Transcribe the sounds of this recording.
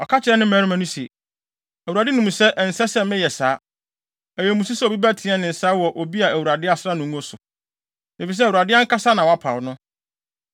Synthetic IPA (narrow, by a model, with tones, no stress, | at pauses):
ɔ˨kʰa˦t͡ɕʰɪ˨˦ɛ˦nɪ̃˦mɛ˦ɾi˦mã˦nʊ̃˦se˨ | æ˨wu˨ɾa˨dɪ˦nʊ̃˨mũ˨sɛ˦ʔn̩˨sɛ˦sɛ˦mɪ̃˦jɛ˨saː˦ | æ˨jɛ˨mũ˨s̬u˦sɛ˦o˨bi˦bæ˦tʰɪ̃˨˦ɛ˦nɪ̃˨n̩˨saː˦wɔ˨ʔo˨bi˦a˨æ˨wu˨ɾa˨dɪ˦a˨sa˦nʊ̃˨ŋ˦ɔ̃˦sʊ˨ | e˨fi˨s̬ɛ˦˨wu˨ɾa˨dɪ˦a˦ŋ̩˦ka˦sa˦nã˨ɔ˨˦a˦pʰa̰˨wnʊ̃˦